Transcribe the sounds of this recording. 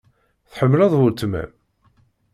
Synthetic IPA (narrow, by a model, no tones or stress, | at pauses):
θħəmːlɑðˤʊɾt̪mæ̰m